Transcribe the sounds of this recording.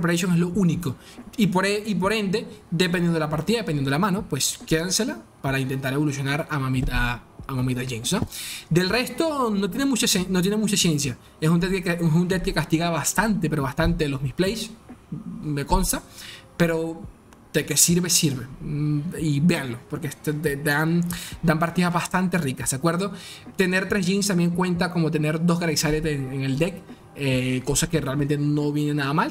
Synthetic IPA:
peɾes̬joŋeslo̞ʔuniko̞ | ipoɾeip̬o̞ɾe̞nd̪e̞d̪epend̪enapaɾt̪iðaðepenenelamãno̞pwe̞ske̞ðanse̞lapaɾaint̪e̞nt̪aɾe̞βo̞lusjo̞naɾamamit̪aːmamit̪aʝensod̪e̞lre̞st̪o̞no̞t̪̬jenemut͡ʃasenot̪̬jenemut͡ʃasje̞nsja | esunt̪et̪keunt̪et̪̚ke̞kast̪iɣaβast̪ant̪e̞pe̞ɾoast̪ant̪e̞lo̞smisplejs | me̞ko̞nst̪ape̞ɾo̞ | d̪̥eke̞siɾβe̞siɾβe̞ | ibeanlo̞po̞ɾkest̪d̪ed̪and̪ampaɾt̪iðazβast̪ant̪e̞rikasd̪̥ekwe̞ɾðo̞t̪e̞ne̞ɾt̪ɾe̞zʝinst̪ambje̞ŋkwe̞nt̪ako̞mo̞t̪̬e̞ne̞ɾd̪o̞zɣɾaisaɾet̪eŋeŋe̞ld̪ek | eko̞sake̞realme̞nt̪e̞no̞βje̞nenaðamal

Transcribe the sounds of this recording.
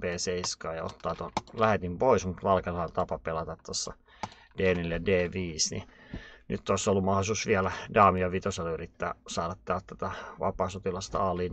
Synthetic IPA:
peːseiskɑːjɑ̰o̰t̪ːɑːt̪olæhet̪impoismut̪ʋɑlkelhɑlt̪ɑpɑpelɑt̪ɑt̪t̪osːɑ | d̥eːneljɑdeːʋiːsnḭnyt̪t̪oˑsːolːumɑholisuːsʋiælædɑːmijɑʋit̪oselyrit̪ːæ̰ːsɑːɾɑt̪t̪ɑːlt̪t̪æt̪æʋɑ̰pɑːsot̪ilɑst̪ɑɑːliːn

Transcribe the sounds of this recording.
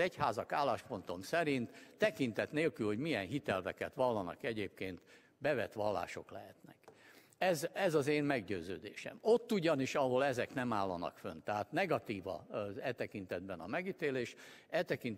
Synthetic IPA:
ɛchaːzɒkaːlːaːʃpo̞nt̪o̞msɛɾint̪ːɛkint̪ɛt̪neːlkylho̞ɟmijɛnɦit̪ɛlvɛkɛt̪ʋɒlːɒnɒ̰kɛɟeːp̚keːnt̪ | bɛvɛt̪ʋɒlːa̰ːʃo̞̰klɛɦɛt̪nɛk | ɛzɛzɒzeːmmɛɡɟøːzø̰ːd̪eːʃɛ̰mo̞t̪ːuɟɒniʃɒɦo̞lɛzɛknɛmaːlːɒnɒ̰kfønt̪ɛɦaːt̪nɛɡɒt̪iːvɒ̰ɛt̪ɛkint̪ɛd̪̚bɛnɒmɛɡit̪eːleːʃɛt̪ɛkint̪

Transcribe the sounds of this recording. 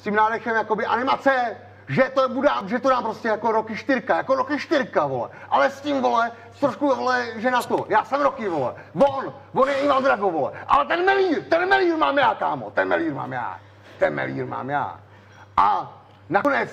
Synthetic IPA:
scimnaːdɛʃɛmjakobɪʔanɪmat͡sɛ | ʒɛt̪obudaːmʒɛt̪odaːmpɾoscɛjako̞ɾokɪʃt̪ɪɾkajako̞ɾokɪʃt̪ɪɾkavolɛ̰ʔalɛscimvo̞lɛ | st̪ɾoʃkuvolɛʒɛnat̪ojaːsɛmɾokɪvolɛ̰von | vonjɛɪvaːmd̪ɾaɡovolɛ̰ʔa̰lɛt̪ɛnmɛliːɾt̪ɛnmɛliːɾmaːmjaːkaːmo̰t̪ɛnmɛ̰liːɾma̰ːmja̰ː | t̪ɛ̰nmɛ̰lḭːɾma̰ːmja̰ː | ʔa | nakonɛt͡s

